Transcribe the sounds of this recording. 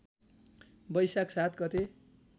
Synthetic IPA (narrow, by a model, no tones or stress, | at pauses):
bʌjsaksat̪ɡʌt̪e